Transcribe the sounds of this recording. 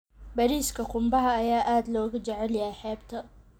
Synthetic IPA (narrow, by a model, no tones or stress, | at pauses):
bɐɾiːskʰɐqʊmbɐɦɐːjaːʔaːd̪lɔːɣʊt͡ʃɛʕɛljɐjħɛːbt̪ʰɐ